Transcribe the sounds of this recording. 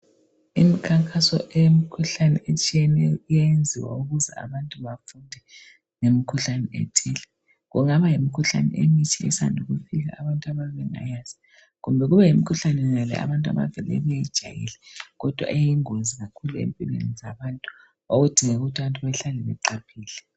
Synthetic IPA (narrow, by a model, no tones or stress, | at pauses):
imikʰaŋkʼasɔ̰ʔejemikʰuɬanɛʔet͡ʃʼiɛnɛjɔijajend͡zʱiwa̰uɣuzɛ̰a̰βantʼuβafundʱɛ | ŋemikʰuɬanɛʔɛ̰tʰɛːlɛ | ɣṵŋaβajimikʰuɬa̰nɛ̰ʔemitʰiɛ̰sandʱuɣufiɣa̰ːβantʼaβaβɛŋa̰jazi̥ | ɣumbʱɛɣuβɛjimikʰuɬanɛnalɛ̰a̰βantʼa̰βa̰vɛlɛ̰βɛjɛd̥ʒ̥ʱa̰jḭlɛɣɔd̥ʱwa̰ʔejiŋozʱiɣakʰuluḛmpʼilwḛnizaβaːntʼu̥ | oɣud̥ʱiŋɛuɣutʰaβantʼuβaɬalɛβɛǁapʰiːlɛ